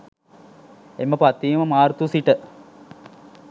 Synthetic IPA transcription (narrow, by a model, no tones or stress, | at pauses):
emːəpat̪ːiːməmaːɾt̪usiʈə